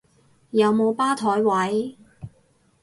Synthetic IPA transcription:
jɐ˨˧wmo˨˧wpaː˥t̪ʰɔː˨˥jwɐ˨˥j

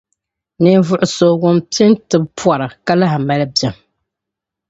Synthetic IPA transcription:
nɨ˦n˦vʊ˦ʔʊ˨so˦wʊ˦mpɪ˦ntɨ˨bpa˨ɾa˨ka˦la˦ɦa˨ma˦lɨ˦bjɛ˨m

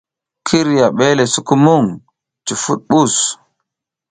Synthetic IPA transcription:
kʰi˦ɾjaɓɛlɛ˨su˨kumuŋ | t͡ʃi˨fu˦ɗɓus

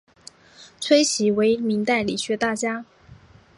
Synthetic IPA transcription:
t͡sʰwe˥ɪɕi˧˥we˧˥ɪmi˧˥ŋt̪a˥˩ɪlḭ˨˩ɕɥɛ˧˥t̪a˥˩t͡ɕja˥

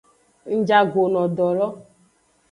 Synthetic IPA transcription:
n̩˦d͡ʒa˦ɡo˨nɔ˨dɔ˨lɔ˦

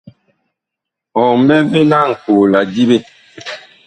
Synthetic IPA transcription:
ɔ̃˨m˦bɛ˦ve˦la˦˨ŋ̩˨ko˨la˨di˦be˦

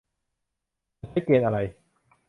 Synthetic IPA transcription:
a˧˩t͡ɕʰa˦˥jkeː˧t̪̚ʔa˧ɾa˧j

